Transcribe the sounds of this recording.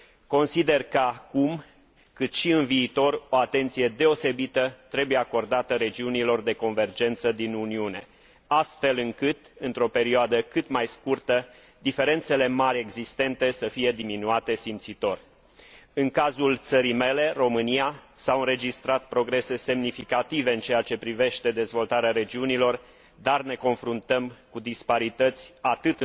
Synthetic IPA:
ko̞nsid̪e̞rkəakum | kɨt̪ʃiɨnviːt̪o̞ro̞at̪e̞nt̪sije̞d̪e̞o̞se̞bit̪ət̪ɾe̞buje̞ako̞rd̪at̪əɾe̞d͡ʒiunilo̞rd̪e̞ko̞nve̞rd͡ʒe̞nt̪səd̪inuniune̞ | ast̪fe̞lɨŋkɨt̪ɨnt̪ɾo̞pe̞ɾioad̪əkɨt̪majskurt̪ə | d̪ife̞ɾe̞nt̪se̞le̞maɾʲe̞ɡzist̪e̞nt̪e̞səfije̞d̪iminuat̪e̞simpt̪sit̪o̞rʲ | ɨŋkazult̪səɾime̞le̞ro̞mɨnijasaɨnɾe̞d͡ʒist̪ɾat̪̚pɾo̞ɡɾe̞se̞se̞mnifikat̪ive̞ɨnt͡ʃe̞jat͡ʃe̞pɾive̞ʃt̪e̞d̪e̞zvo̞lt̪aɾeaɾe̞d͡ʒiunilo̞r | d̪arne̞ko̞nfɾunt̪əmkud̪ispaɾit̪ət̪sʲat̪ɨt̪

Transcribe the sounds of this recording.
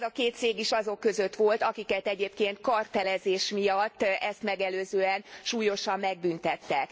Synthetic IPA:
zɒkeːt̪t̪seːɡiʃɒzo̞kːø̞zø̞t̪ʋo̞lt̪ɒkikɛt̪ɛɟeːpkeːnt̪kɒrt̪ɛlɛzeːʃmijɒtt̪ːɛst̪mɛɡɛløːzøːɛnʃuːjo̞ʃɒmːɛɡ̚bynt̪ɛt̪ːɛk

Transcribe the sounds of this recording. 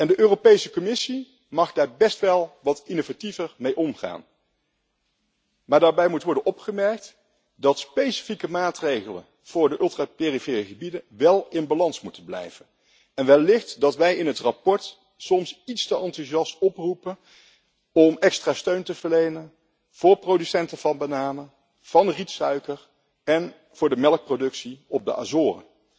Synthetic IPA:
ɛndəʔøːropejsəkɔmɪsi | mɑχdaːɹbɛstʋɛlˠʋɑtinovativəɹmejʔɔmχa̰ːn | maːɹdaːɹbɛjmutəʋɔɹdənʔɔpχəmɛɹk̚t | dɑtspejsi̥fikəmaːtrejχələ̰n | v̥ʊːɹdəʔɵlˠtraːpeːrifeːrəχəbidənʋɛlˠɪnbalɑnsmutənblɛ̰jvən | ɛnʋɛlɪχtdɑtʋɛjɪnɦətrapɔɹt | sɔmsitstəʔɑntyʒɑstɔprupən | ɔmɛkstraːstøɥntəvəɹlejnən | v̥ʊːɹprowdysɛntəv̥ɑnbənaːmə | v̥ɑnritsœɥkər | ɛn | v̥ʊːɹdəmɛlək̚prodɵksiɔb̚də̰ʔa̰zʊːrə̰

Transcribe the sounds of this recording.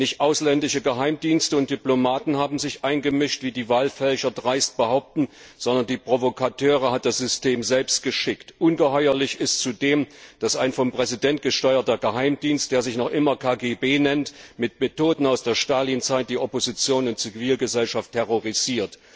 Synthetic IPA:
nɪçtʔaʊslɛndɪʃəɡəɦaɪmdiːnstəʊnt̚d̥iplomaːtn̩haːbm̩zɪçʔaɪnɡəmɪʃtv̥iːdiːvaːlfɛlçɐdʁaɪst̚b̥əhaʊp̚tn̩z̥ɔndɐndiːpʁ̥ovokʰatʰøːʁəhat̚d̥asz̥ʏstʰeːmzɛlpst̚ɡ̥əʃɪktʔʊnɡəhɔʏɐlɪçɪstt͡sudeːmd̥asaɪnfɔmpʁ̥ɛzidɛnt̚ɡ̥əʃtɔʏɐtɐɡəɦaɪmdiːnst̚d̥eːɐzɪçnɔχʔɪmɐkʰaːɡeːbeːnɛntmɪtmetoːdn̩aʊsd̥eːɐʃtaːlint͡saɪt̚d̥iːʔɔpozit͡sjoːnʊntt͡siviːlɡəzɛlʃaftʰːɛʁoʁiz̥iːɐt

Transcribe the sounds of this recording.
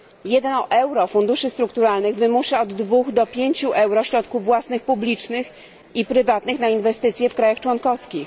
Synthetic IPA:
jɛd̪ɛnɔʔɛwɾɔfund̪uʂɘst̪ɾuk̚t̪uɾalnɘɣvɘmuʂɛɔd̪ːvuɣd̪ɔpʲjeɲt͡ɕuʔɛwɾɔɕɾɔt̪kuvːwasnɘxpublʲit͡ʂnɘx | ipɾɘvat̪nɘxnainvɛst̪ɘt̪sʲjɛfkɾajaxt͡ʂwɔnkɔfskʲix

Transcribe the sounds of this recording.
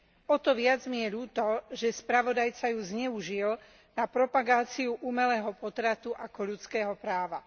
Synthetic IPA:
ɔt̪ɔʋɪad͡zmijɛʎuːt̪ɔʒɛspɾaʋɔd̪ajt͡sajuzɲɛuʒil | napɾɔpaɡaːt͡siuʔumɛlɛːɦɔpɔt̪ɾat̪uʔakɔʎut͡skɛːɦɔpɾaːʋa

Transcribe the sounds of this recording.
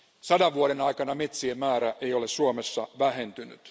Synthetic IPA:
sɑdɑʋʋuoɾenɑjkɑnɑmet̪siemmæːɾæʔejo̞lessuomesːɑʋæɦe̞nt̪yny̰t̪

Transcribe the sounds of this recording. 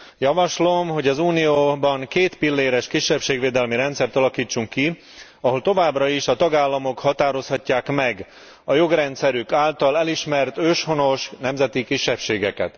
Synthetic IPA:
jɒvɒʃlomɦo̞ɟɒzuːnijoːbɒŋkeːt̪pilːeːɾɛʃkiʃːɛpʃeːɡʋeːd̪ɛlmiɾɛnt̪sɛrt̪ɒlɒkiːt͡ʃːuŋkːi | ɒɦo̞lt̪o̞vaːbrɒiʃɒt̪ɒɡaːlːɒmo̞khɒt̪aːɾo̞shɒcːaːkmɛɡ | ɒjo̞ɡrɛnt̪sɛɾykaːlt̪ɒlɛliʃmɛrt̪øːʃho̞no̞ʃnɛmzɛt̪ikiʃːɛpʃeːɡɛkɛ̰t̪

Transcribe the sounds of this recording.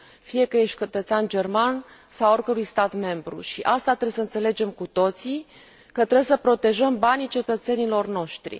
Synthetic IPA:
fije̞kəje̞ʃt̪̚t͡ʃət̪ət̪seand͡ʒe̞rman | saworʲkəɾujst̪at̪me̞mbɾṵʃiʔast̪at̪ɾe̞bsəɨnt̪se̞le̞d͡ʒe̞mkut̪o̞t̪si | kət̪ɾe̞bsəpɾo̞t̪e̞ʒəmbanit͡ʃe̞t̪ət̪se̞nilo̞rno̞ʃt̪ɾḭ

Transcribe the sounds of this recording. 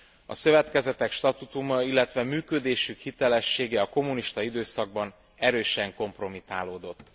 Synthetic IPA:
ɒ̰sø̞vɛt̪kɛzɛt̪ɛkʃt̪ɒt̪ut̪umɒilːɛt̪ʋɛmyːkød̪eːʃykhit̪ɛlɛʃːeːɡɛɒko̞muniʃt̪ɒid̪øːsɒɡ̚bɒn | ɛɾøːʃɛŋko̞mpro̞mit̪aːloːd̪o̞t̪ː

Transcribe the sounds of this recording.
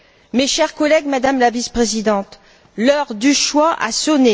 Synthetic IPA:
meʃɛʁkɔlɛɡmad̪amlavispχezid̪ɑ̃t̪ | lœʁd̪yʃwaʔa̰sɔne

